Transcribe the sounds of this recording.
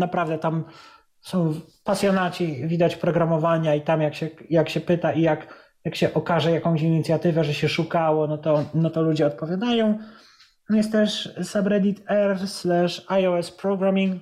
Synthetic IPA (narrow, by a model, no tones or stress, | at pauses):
napɾavd̪ɛt̪am | sɔ̃w̃ | pasʲjɔnat͡ɕivʲid̪at͡ɕpɾɔɡɾamɔvaɲait̪amjakɕɛjakɕɛpɘt̪aʔijak | jakɕɛʔɔkaʐɛjakɔ̃w̃ɕ̬iɲit̪sʲjat̪ɘvɛʐɛɕɛʂukawɔnɔt̪ɔnɔt̪ɔlud͡ʑɛɔt̪̚pɔvʲjad̪ajɔ̃w̪̃ | amjɛst̪t̪ːɛʂsabɾɛd̪ʲit̪ɛɾslaʂajɔɛspɾɔɡɾamʲiŋk